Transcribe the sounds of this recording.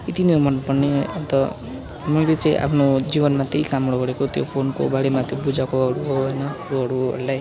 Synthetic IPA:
it̪inimʌnpʌrneʌ̰nt̪ʌ | mʌjlet͡saĩʔa̰pʰnod͡zibʌnmat̪eikamɽoɡʌɾekot̪jo̰pʰonko̰baɽemat̪jebud͡zakoʌɾuɦoɦʌjnʌʌɾuɦʌɾuɦʌ̰ɾlaj

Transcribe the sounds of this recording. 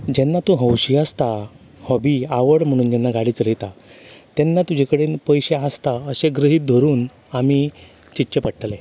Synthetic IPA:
d͡ʑɛnːat̪ũɦəwɕiast̪a | hɔbiːaʋəɽm̤əɽ̃uːnj̪anːaɡaɽiːt͡sɾəjt̪at̪ɛnːat̪ud͡ʑʱekəɽenpəjɕeast̪aəɕeɡɾəɦiːt̪̚d̪ʱoɾuːn | ami | t͡ɕitːɕepəʈʈle

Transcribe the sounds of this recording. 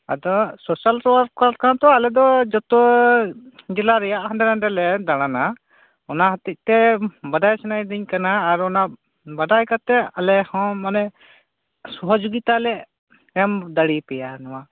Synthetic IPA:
a̰d̪ɔsɔsalɾɔwaɾkaɾkaãt̪ɔalɛd̪ɔd͡ʒɔt̪ɔ | d͡ʒɛlaɾɛjaʔhãndɛɾaɖɛlɛd̪aɽ̃ana | ɔnaɦat̪ic̪̚t̪ɛbad̪ajsɛnajd̪iɲkanaːɾɔna | bad̪ajkat̪ɛalɛhɔ̃manɛ | sɔɦɔd͡ʒoɡit̪alɛ | ɛmd̪aɽipɛjanɔwa

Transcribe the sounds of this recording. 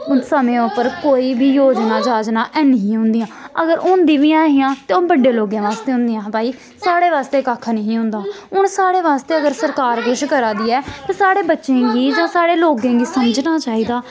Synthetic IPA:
ʊnsəmẽːʊpːəɾkoːiːbiːjoːd͡ʒnaːd͡ʒaːd͡ʒnãːʔɛːnəɦĩːɦʊ̃nd̪ijãːəɡəɾʊnd̪iːʋijãːɦijãːt̪eːõːbəɖeːloːɡjãːʋaːst̪eːʊ̃nd̪ijãːpaːiː | saːɽeːʋaːst̪eːkaːkʰnəɦĩːɦʊ̃nd̪aːʊɳsaːɽeːʋaːst̪eːəɡəɾsəɾkaːɾkʊʃkəɾaːd̪iːɛːt̪aːsaːɽeːbətːʃẽːɡiːd͡ʒãːsaːɽeːloːɡẽːɡiːsəməd͡ʒnaːt͡ʃaːiːd̪aː

